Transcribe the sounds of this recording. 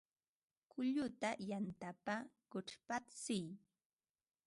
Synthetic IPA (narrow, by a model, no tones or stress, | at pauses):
kʊʎʊt̪ajant̪apakʊʈ͡ʂpat͡sɪj